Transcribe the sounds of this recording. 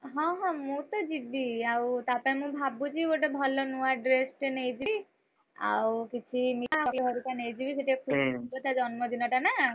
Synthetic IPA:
ɦɔ̃ɦɔ̃mũt̪ɔd͡ʒibiawt̪apaĩmũbʱabut͡ʃioʈɔbʱɔlɔnũaɖɾesʈnejd͡ʒi | a̰wkit͡ʃʰimiakeɦɔɾut̪anejd͡ʒibiseʈiakʰubbɔt̪ʰad͡ʒɔnmɔd̪inɔʈana

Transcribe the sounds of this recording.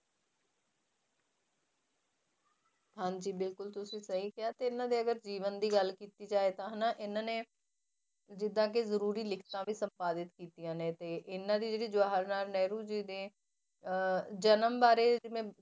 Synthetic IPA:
ɦãːɲd͡ʒiːbɪlkʊlt̪ʊsĩːsəɦiːkɪaːt̪eːɪnãːd̪eːəɡəɾd͡ʒiːʋənd̪iːɡəlkiːt̪iːd͡ʒaːeːt̪ãːɦənaːʔɪnãːneː | d͡ʒɪd̪ãːkezəɾuːɾiːlɪkʰt̪ãːʋiːsəmpaːd̪ɪt̪kiːt̪ijãːneːt̪eːʔɪnːãːd̪iːd͡ʒeːɽiːd͡ʒʊaːɦəɾnaːlnɛːɾuːd͡ʒiːd̪eː | d͡ʒənəmbaːɾeːd͡ʒɪmẽː

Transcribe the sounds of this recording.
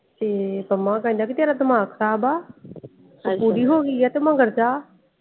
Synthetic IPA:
eːbɐmãːkãːĩːnd̪aːkit̪eːɾad̪ɐmaːkʰəɾaːbaː | puːɾiɦoːɡiat̪emãːŋɡəɾd͡ʒaː

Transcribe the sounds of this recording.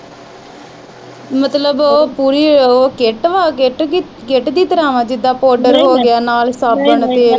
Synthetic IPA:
mət̪ləbopuːɾiːoːkeʈʋaːkːʈ | keʈd̪iːt̪əɾaːʋãːd͡ʒɪd̪ːaːpɔːɖəɾɦoːɡɪjaːnaːlsaːpəɳət̪eː

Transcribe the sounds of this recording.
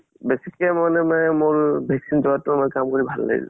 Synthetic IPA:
bɛsikmanɛmɔjmoɹbʱɛksinzɔatːʊmɔjkamkoɹibʱalːa̰ɡḭl

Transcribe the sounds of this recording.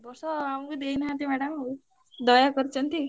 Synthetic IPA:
bɔsɔamukud̪einɦãt̪imɛɽəm | d̪ɔjakɔɾt͡ʃʌnt̪i

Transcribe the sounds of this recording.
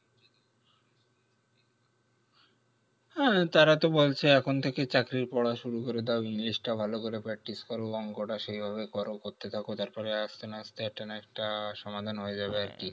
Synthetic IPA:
t̪aɾat̪obolt͡ɕʰeɛkʰont̪ʰeket͡ɕakɾiɾpɔɽaʃuɾukoɾed̪eoinlisʈabʱalokoɾepɾak̚ʈiskɔɾoɔŋkoʈaʃejbʱaβekɔɾokoɾt̪et̪ʰakot̪aɾpɔɾeast̪enaast̪eɛk̚ʈanaɛk̚ʈaʃɔmad̪ʱanɦoed͡ʑabeaɾki

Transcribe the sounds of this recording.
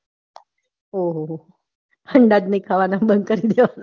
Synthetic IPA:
oɦoɦ | pʰəɳɖad̪niikʰaʋanabən̚kəɾid̪eʋana

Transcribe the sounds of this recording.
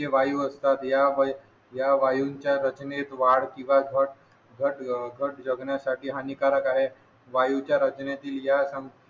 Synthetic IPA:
eʋajuːəst̪at̪jaʋ | jaʋajuɲt͡ɕjaɾət͡ɕnet̪ʋaɽkĩw̃ʋad͡zəʈ̚ | ɡʱəʈɡʱəʈd͡ʑəɡɳjasaʈʰiːɦanikaɾəkaɦe | ʋajut͡ɕjaɾət͡ɕnet̪iːljasəm

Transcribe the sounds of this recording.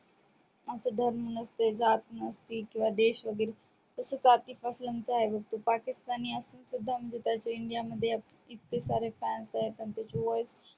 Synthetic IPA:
əsəd̪ʱəɾmunəst̪ed͡zaːt̪nəst̪ikĩw̃ʋad̪eːʃʋəɡiːɾ | d͡zəsət͡sat̪ifasləmt͡ɕaːɦebʱɐk̚t̪upakɪst̪aniːəsuːnsud̪ʱːamd͡ʑet̪at͡ɕoɪɳɖijaməd̪ʱjeap | it̪ːesaɾefɛːnsaɦet̪əɳt̪jat͡ɕoʋojs

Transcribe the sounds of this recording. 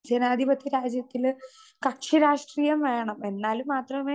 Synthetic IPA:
d͡ʑenaːd̪ʱibɐt̪ʰːiɾaːd͡ʑjɐt̪ːil | kɐʈʂiɾaːʂʈriːjɐmʋeːɳɐme̞nːaːlumːaːt̪rɐmeː

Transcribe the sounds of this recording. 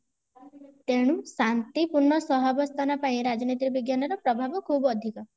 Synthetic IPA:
t̪eɽ̃ũsant̪ipuɾɳɔsɔɦabɔst̪ʰanapaĩɾad͡ʒɔnit̪ɾibiɡjanɔɾɔpɾɔbʱabɔkʰubɔd̪ʱikɔ

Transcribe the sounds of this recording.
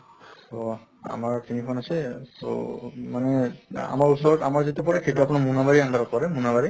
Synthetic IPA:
tɔ | a̰maɹtinipʰɔnasɛso̰manɛa̰maɹusɔɹɔtamaɹzitepɔɹɛkʰejtuap̬unamunabaɹiaŋɡaɾɔtpaɹɛmunabaɹi

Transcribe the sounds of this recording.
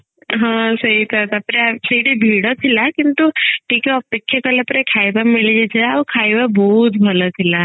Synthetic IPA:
ɦãsəɦit̪ʰat̪apɾesəiʈibʱiɽot̪ʰilakint̪uʈʰiːkɛəpekʰːjakəlapɾekʰajbamilid͡ʒet͡ʃʰeaukʰajbabɔɦut̪bʱəlot̪ʰila

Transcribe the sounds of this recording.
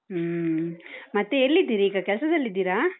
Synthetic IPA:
mɐt̪ːeelːid̪ːiːɾiiːɡɐkɛɭɐsɐd̪ɐlːid̪ːiːɾaː

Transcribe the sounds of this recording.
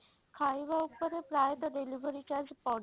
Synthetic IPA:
kʰaiʋaupəɾepɾajət̪ɖ̪eliʋəɾit͡ɕaɾd͡zpɔɽ

